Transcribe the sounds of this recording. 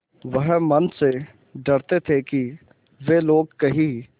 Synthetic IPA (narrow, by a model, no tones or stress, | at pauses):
ʋɐɦmɐnse | ɖɐɽt̪et̪ʰeki | ʋeːloːɡ̚kɐɦi